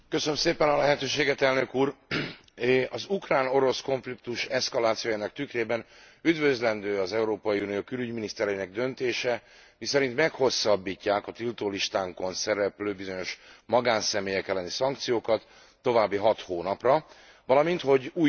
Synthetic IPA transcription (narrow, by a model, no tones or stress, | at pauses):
køsønømseːpɛnɒlɛɦɛt̪øːʃeːɡɛt̪ɛlnøkuːr | ɒzukraːno̞ɾo̞sko̞ɱflikt̪uʃɛskɒlaːt̪sijojaːnɒk̚t̪ykreːbɛn | yd̪vø̞zlɛnd̪øːɒzɛuɾoːpɒjiunijoːkylyɟminist̪ɛɾɛjinɛɡ̚d̪ø̞nt̪eːʃɛ | misɛɾint̪mɛkho̞sːɒbːiːcːaːkɒt̪ilt̪oːliʃt̪aːŋko̞nsɛɾɛpløːbizo̞ɲo̞ʃmɒɡaːnsɛmeːjɛkɛlːɛnisɒŋk̚t̪sijoːkɒt̪ː | o̞vaːbːiɦɒt̪hoːnɒprɒ | vɒlɒmint̪ho̞ɟuːj